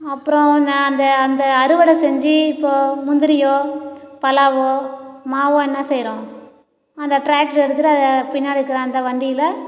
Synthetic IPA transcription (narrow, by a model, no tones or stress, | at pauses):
ɐpːɯɾɔ̃ɐnd̪ɐɐnd̪ɐːnd̪ɐːɾɯʋɐɽɐsɛɲd͡ʒɯɪpːoːmʊnd̪ɪɾɪjoːpɐlaːʋoːmaːʋõːɛnːɐsɛjɾõ | ɐnd̪ɐʈɾaːkʈɛɽɯt̪ːɯʈɯɐðɐpɪnːaːɽɯkːɯɾɐ̃ɐnd̪ɐʋɐɳɖɪjɪlɐ